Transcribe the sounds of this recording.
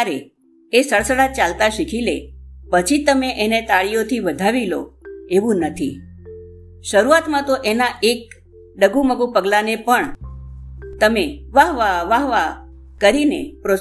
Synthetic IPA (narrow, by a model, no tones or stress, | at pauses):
ɾe | esəɭsəɽat͡ʃalt̪aʃikʰilepət͡ʃʰit̪əmeʔenet̪aɭijot̪ʰiʋəd̪ʱaʋilo̰eʋũnət̪ʰḭ | ʃəɾuat̪mãt̪oʔenaʔek̚ | ɖəɡuməɡũpəɡlanepəɳ | t̪əmeʋaɦʋaʋaɦʋakəɾinepɾo